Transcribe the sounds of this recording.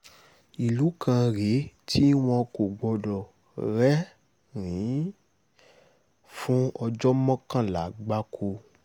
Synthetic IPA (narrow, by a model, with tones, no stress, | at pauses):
i˨lu˨˦kã˧ɾe˨˦tʰi˦w̃ɔ̃˧ko˨ɡ͡bɔ˧dɔ˨ | ɾɛ˦ | ɾĩ˨˦ | fũ˦ɔ˧d͡ʒɔ˦mɔ̃˦kã˦˨la˨˦ɡ͡ba˦kʰo˧